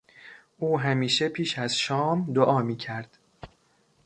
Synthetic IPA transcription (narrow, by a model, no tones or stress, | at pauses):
ʔuːɦæmiːʃe̞pʰiːʃæz̥ʃɒːmd̪oʔɒːmiːcʰæɾd̪̥